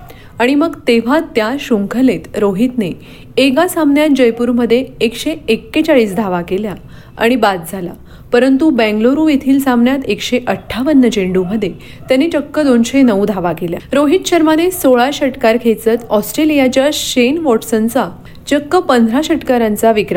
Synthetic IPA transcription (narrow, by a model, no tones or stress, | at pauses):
aɽ̃iməɡt̪eʋ̤at̪jaɕuŋkʰəlet̪ɾoɦit̪ne | eɡasambnjat̪̚d͡ʑəjpuːɾməd̪ʱːjeekɕeekːet͡saɭiːsd̪ʱaʋakelja | a̰ɽ̃ibat̪̚d͡zʱala̰ | pəɾənt̪ubɛ̃ŋɡloɾũjet̪ʰiːlsãmnjat̪ekɕeʔəʈʰːaʋənːəd͡ʑeɳɖuməd̪ʱːje | t̪janːit͡ɕəkːəd̪onɕenəʋd̪ʱaʋakelja̰ɾoɦit̪ɕəɾmanesoɭaɕəʈkaɾkʰet͡sət̪ɔsʈɾelijat͡ɕjaɕenʋɔʈsənt͡sa | t͡ɕəkːəpənd̪ʱɾaɕəʈkaɾãnt͡saʋikɾa